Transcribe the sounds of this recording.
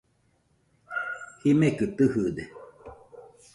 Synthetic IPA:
himekɨt̪ɨhɯd̪e

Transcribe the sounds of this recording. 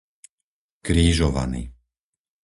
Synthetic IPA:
kɾiːʒɔʋa̰nḭː

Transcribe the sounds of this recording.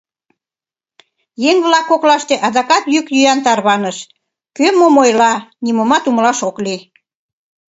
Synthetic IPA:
jeŋβlɑkːoklɑʃt̪eʔɑd̪ɑkɑt̪jykjyjɑnt̪ɑrβɑnəʃ | kømomojlɑnimomɑt̪umlɑʃokli

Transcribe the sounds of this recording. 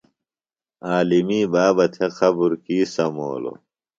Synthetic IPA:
aːlimiːbaːbɐt̪ʰeqʰɐbuɾkiːsɐmo̰ːlo̰

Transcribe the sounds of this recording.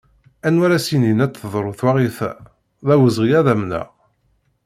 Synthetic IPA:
ænwæɾæsininæt͡s̪θəðˤɾˤoθwaʁiθæ | ðæwəzʁiæðæmnə̰ʁ

